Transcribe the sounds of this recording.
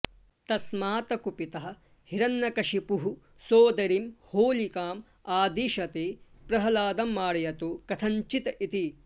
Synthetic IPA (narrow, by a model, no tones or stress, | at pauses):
t̪ɐsmaːt̪ɐkupit̪ɐɦɐ̆ | hiɾɐnːɐkɐʃipuɦu | soːd̪ɐɾimhoːlikaːm | aːd̪iʃɐt̪eːpɾɐɦɐlaːd̪ɐmːaːɾɐjɐt̪ukɐt̪ʰɐnt͡ʃit̪ɐʔit̪i